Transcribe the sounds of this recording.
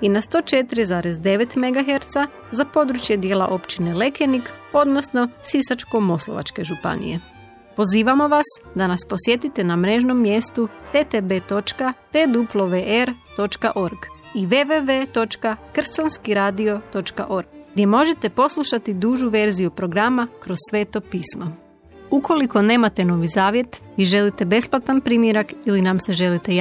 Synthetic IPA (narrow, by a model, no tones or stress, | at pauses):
inast̪o̞ːt͡ʃe̞t̪iɾizaːɾezd̪e̞ʋe̞t̪me̞ɡaɦe̞ɾt̪sa | zapo̞d̪ɾut͡ʃjed̪je̞ːlˠa̰ʔo̞pt͡ʃine̞le̞ke̞niko̞d̪nosno̞sisat͡ʃko̞mo̞slˠo̞̰ʋa̰t͡ʃke̞ʒupa̰nḭje̞̰ | po̞ziːʋamo̞ʋasd̪anaspo̞sje̞t̪it̪e̞namɾe̞ʒno̞mːje̞st̪ut̪et̪ebe̞ːt̪o̞t͡ʃkat̪ed̪uplˠo̞ʋeʔeɾt̪o̞t͡ʃkaʔo̞ɾɡ | iʋeʋeʋe̞t̪o̞t͡ʃkakr̩sanskiɾaːd̪io̞t̪o̞t͡ʃka̰ʔo̞ɾɡɡd̪ʲje̞mo̞ʒe̞t̪e̞po̞slˠuʃat̪id̪uːʒuʋe̞ɾzijupɾo̞ɡɾamakɾo̞zsʋe̞ːt̪o̞piːsma | uko̞liko̞ne̞ːmat̪e̞no̞ʋizaːʋje̞t̪ʋiʒe̞lit̪e̞be̞splˠat̪anpɾimjeɾakilinamse̞ʒe̞lit̪e̞